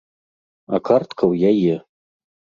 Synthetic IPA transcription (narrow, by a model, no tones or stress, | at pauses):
akʰart̪kʰɐwjajɛ